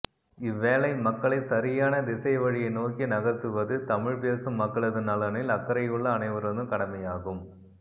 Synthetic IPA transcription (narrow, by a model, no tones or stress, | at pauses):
ɪʋːeːlɐɪmɐkːɐɭɐɪsɐɾɪjaːnɐd̪ɪsɐɪʋɐɻɪjɐɪnoːkinɐɣɐt̪ːɯʋɐðɯt̪ɐmɪɻpeːsɯmːɐkːɐɭɐðɯnɐlɐnɪlɐkːɐɾɐjɯɭːɐːnɐɪʋɐɾɐnɯkɐɽɐmɐjaːɣɯm